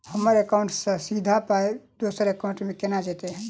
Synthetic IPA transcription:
həməɾekaʊɳʈsə̃sid̪ʱapaed̪osəɾekaũɳʈmẽkenad͡ʒet̪eɦɛ̃

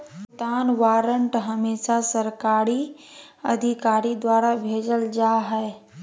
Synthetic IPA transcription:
t̪aːnʋaːɾəɳʈɦəmeːʃasəɾkaːɾi | ə̰d̪ʱikaːɾid̪waːɾabʱeːd͡ʒəld͡ʒaːɦɛe

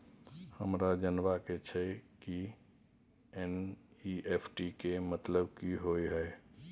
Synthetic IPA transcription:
həmɾad͡ʒənʋaket͡ʃʰɛki | enieːpʰʈikemət̪ləbkiɦoiɦəe

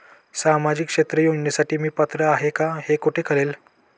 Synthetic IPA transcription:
samad͡ʑikʂet̪ɾəjoɡɳjasaʈiːmiːpət̪ɾəaɦekahekoʈʰekʰəɭel

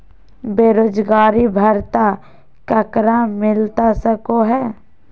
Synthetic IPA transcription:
beːɾoːd͡ʒɡaːɾibʱəɾt̪a | kəkɾamɪlt̪asəkoɦɛː

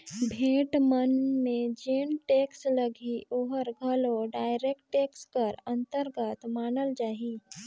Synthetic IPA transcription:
bʱeːʈmənmẽd͡ʒeːnʈeːksləɡʱiʔoːɦəɾɡʱəloɖaːɪɾekʈʈeːkskəɾə̃nt̪əɾɡət̪maːnəld͡ʒaːɦiː

